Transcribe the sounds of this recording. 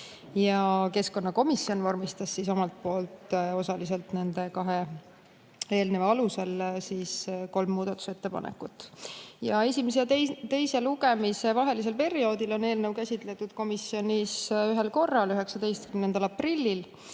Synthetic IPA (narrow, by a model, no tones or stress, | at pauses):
jɑke̞sko̞nːɑko̞misːio̞nvɑrmist̪ɑsːiso̞mɑlt̪̚po̞ːlt̪ˑo̞sɑlise̞lt̪ne̞nd̪e̞kɑɦe̞ | e̞ːlneveɑluse̞lsiːsko̞lmːuːd̪̥ɑt̪ːˑu̥set̪ːe̞pɑ̰nʔḛkːˑut̪ːˑjɑe̞simes̬et̪e̞jse̞luɡe̞mise̞vɑɦe̞lis̬elpe̞ɾio̞ːd̪ilo̞ne̞ːlne̞wkæsʲit̪ˑle̞t̪ːˑud̪̥̚ko̞misjo̞nisyɦe̞lko̞rːɑlyɦe̞ksɑd̪e̞jst̪̚kymne̞nd̪ɑlɑprilʲːil